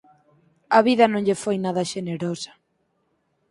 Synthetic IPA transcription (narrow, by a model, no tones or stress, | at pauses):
ɐβiðɐnõŋʎɪfojnaðɐʃeneɾosɐ̥